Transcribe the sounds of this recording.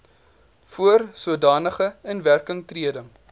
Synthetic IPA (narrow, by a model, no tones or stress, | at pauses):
fuərsuədɑːnəχəənværkəŋtriədəm